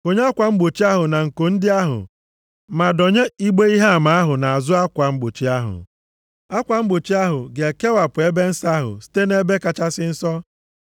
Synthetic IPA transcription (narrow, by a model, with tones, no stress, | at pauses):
ko˨ɲ˦a˦kʷa˨ŋ͡m̩˦ɡ͡bo˨t͡ʃi˦a˦ɦʊ˨na˨ŋ̩˨ko˨n̩˦dɪ˦a˦ɦʊ̰˨ | ma˨dɔ˨ɲe˦i˦ɡ͡be˦i˦ɦa˦a˨ma˨a˦ɦʊ˨na˨a˨zʊ˦a˦kʷa˨ŋ͡m̩˦ɡ͡bo˨t͡ʃi˦a˦ɦʊ̰˨ | a˦kʷa˨ŋ͡m̩˦ɡ͡bo˨t͡ʃi˦a˦ɦʊ˨ɡe˨ke˦wa˨pʊ˨e˦be˦n̩˦sa˦ɦʊ̰˨si̥˦te˦ne˦be˦ka˦t͡ʃa˦sɪ˦n̩˦sɔ˦